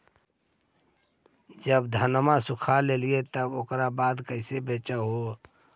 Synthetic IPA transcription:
d͡ʒəbd̪ʱənmasukʰaleliet̪əbokɾabaːd̪kəɪsebet͡ʃəɦo

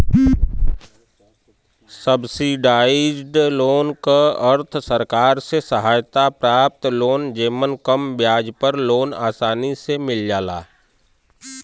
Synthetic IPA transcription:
səbsiɖaːid͡ʒɖloːnkaəɾt̪ʰsəɾkaːɾsesəɦaːjt̪apɾaːp̚t̪loːnd͡ʒeːmənkəmbjaːd͡ʒpəɾloːna̰ːsaːnisemɪld͡ʒaːla̰ː

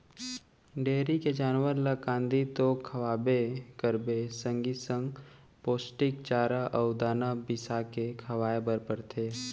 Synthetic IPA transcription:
ɖeːɾiked͡ʒaːnwəɾlakãːnd̪it̪okʰɐʋaːbekəɾbesə̃ŋɡisə̃ŋɡ | poːsʈɪkt͡ʃaːɾaʔɔʊd̪aːnabɪsakekʰɐʋaːebəɾpəɾt̪ʰeː

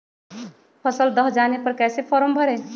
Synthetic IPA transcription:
pʰəsəld̪əɦd͡ʒanepəɾkɛsepʰɔɾombʱəɾɛ

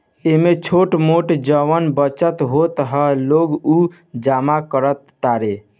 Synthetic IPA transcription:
emet͡ʃʰoʈmoʈd͡ʒəʋənbət͡ʃət̪ɦot̪ɦəloɡu | d͡ʒamakəɾət̪ːaɾe

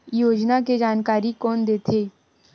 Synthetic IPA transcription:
joːd͡ʒnaked͡ʒaːnkaːɾikɔːnd̪eːt̪ʰeː

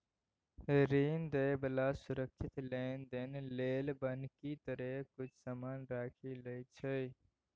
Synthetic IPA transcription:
ɾind̪əjbəlasuɾəkʰʃit̪lend̪enlelbənkit̪əɾekʊt͡ʃʰsəmaːnɾaːkʰiləjt͡ʃʰə

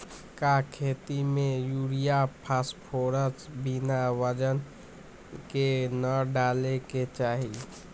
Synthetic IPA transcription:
kakʰet̪imejuɽijapʰaspʰoɾət͡ʃbinaʋəd͡ʒən | kenəɖaleket͡ʃaɦi

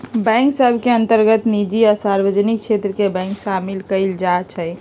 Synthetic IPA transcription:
bɛ̃ŋksəbʱkeənt̪əɾɡət̪nid͡ʒiɔsaɾbəd͡ʒnik̚t͡ʃʰet̪ɾəkebɛ̃ŋksamilkəld͡ʒat͡ʃʰəj

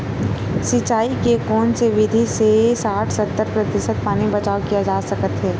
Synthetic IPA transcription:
sit͡ʃaːikekɔːnseʋɪd̪ʱisesaːʈʰsɐt̪ːəɾpɾɐt̪ɪʃət̪̚paːnibɐt͡ʃaːokijad͡ʒaːsɐkət̪ɦɛː

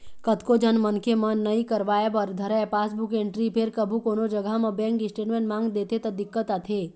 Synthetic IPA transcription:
kət̪kod͡ʒʱənmənkemɐnːɐɦĩkəɾʋaːjepəɾd̪ʱəɾaepaːsbukẽɳʈɾipʰeɾkəbʱukoːnod͡ʒəɡʱamɐ̃bɛ̃ːŋkɪsʈeːʈmẽːɳʈmãːŋɡd̪eːt̪et̪ɐd̪ɪkːət̪at̪ʰe

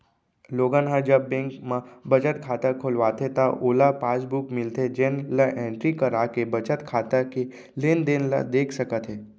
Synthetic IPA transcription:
loːɡãnɦãd͡ʒəbːẽŋkmãbət͡ʃət̪kʰaːt̪akʰoːlʋaːt̪ʰet̪aʔoːlapaːsbukmɪlt̪ʰed͡ʒeːnlaʔẽːɳʈɾikəɾaːkebət͡ʃət̪kʰaːt̪ake | lend̪enla̰d̪eːkʰsəkət̪ɦeː

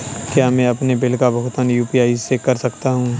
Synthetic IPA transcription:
kjaːmɛ̃ɐpnebɪlkabɐɦt̪ənjuːpiaːizsekɐɾsɐkt̪aɦũː

